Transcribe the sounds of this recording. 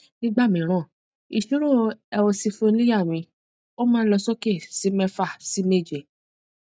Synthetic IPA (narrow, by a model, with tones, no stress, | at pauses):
nĩ˦ɡ͡ba˦˨mĩ˨˦ɾ̃ã˦˨ | i˧˨ʃu˦ɾo˦˨ɛ˧wo˧si˧fo˦li˦ja˦˨mĩ˧ | o˦mãː˦n̩˦lɔ˧sɔ˦ke˦˨si˨˦mɛ̃˦fa˦˨si˨˦me˦˨d͡ʒe˨